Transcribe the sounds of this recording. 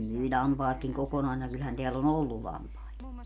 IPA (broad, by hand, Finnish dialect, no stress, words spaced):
myi lʲɑmpɑːtkiŋ kokonɑisinɑ kylhæn teæl on olːu lɑmpɑet